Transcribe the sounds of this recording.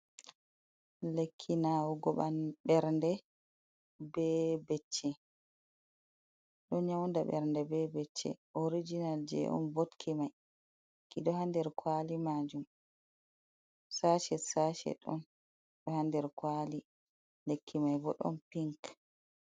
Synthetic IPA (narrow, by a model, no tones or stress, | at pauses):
lekʰːinawɔɡɔɓanɓɛɾndɛ | bɛbet͡ʃːɛ | ɗɔɲawndaɓɛ̰ɾndɛbɛbɛt͡ʃːɛ̰ʔoɾid͡ʒinald͡ʒɛ̰ʔɔ̰mbotkʰimaj | kiɗɔhandɛɾkʰwalimad͡ʒum | saʃɛsaʃɛ̰ɗɔ̰n | ɗɔhandɛɾkwali | lekʰːimajbɔ̰ɗɔ̰npiŋk